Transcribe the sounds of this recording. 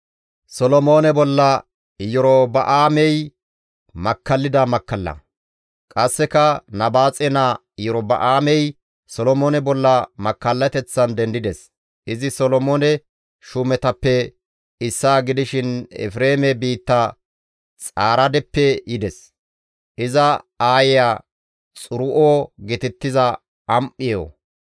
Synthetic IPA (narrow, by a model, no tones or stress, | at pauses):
sɔlɔmoːnɛbɔlːɐ | jɔɾobɐʔaːmɛj | mɐkːɐlːɪd̪ɐmɐkːɐlːɐ̰ | kʼɐsːɛkɐnɐbaːt͡sʼɛna | jɔɾobɐ̰ʔaːmɛj | sɔlɔmoːnɛbɔlːɐmɐkːɐlːɐt̪ɛt͡sːɐnd̪ɛnd̪ɪd̪ɛs | ʔɪzɪsɔlɔmonɛ | ʃʊmɛt̪ɐpːɛ | ɪsːaːɡɪd̪ɪʃɪnɛ̰fɾeːmɛbiːt̪ːɐ | t͡sʼaːɾɐd̪ɛpːɛjɪd̪ɛs | ʔɪzɐaːjɪjaː | t͡sʼʊɾʊʔoːɡɪt̪ɪt̪ːɪzɐ | ɐmʔːɪjo̰ː